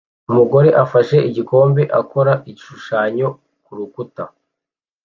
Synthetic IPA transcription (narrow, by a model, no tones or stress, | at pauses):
umuɡo̞ɾe̞ʔafaʃe̞ʔiɟiko̞ːmbe̞ʔako̞ɾaʔiʃuʃaːɲo̞ | kuɾukuta